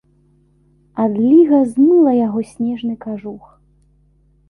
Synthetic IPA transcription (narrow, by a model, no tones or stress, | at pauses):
ad̪lʲiɣɐznulˠɐjaɣɔsʲnʲɛʐnɨkaʐux